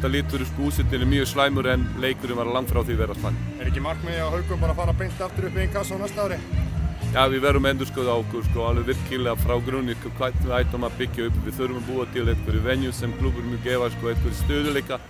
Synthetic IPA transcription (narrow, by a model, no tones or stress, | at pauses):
t̪alɪːt̪ʏɾʏskuːsɪt̪ɪnɪmyːjʏslaːjmʏɾɛnleːjkʏɾɪvaɾalaŋt̪fɾawθivɛɾaspanːɛɾɛcːɪmar̥kmɛðahœɥkʏapaːɾafaːɾapejnt̪aft̪ʏɾʏhpɪinkʰvaːsawnast̪awɾɪ | jaːvɪvɛɾʊmɛnt̪ʏ̥skœðawkɔ̥skɔalvɛvɪɾ̥kʰɪlɛɣafɾawkɾʏnːɪskɔkʰajt̪aːjt̪ɔmapɪcːɪʏpɪvɪθœɾʏmapuːat̪ʰɪlejt̪kʰɔɾʏvɛnjʏsɛmkʰlubʏɾmjʏːcɛːvaskɔːet̪ʏɾɪst̪øːðʏlejka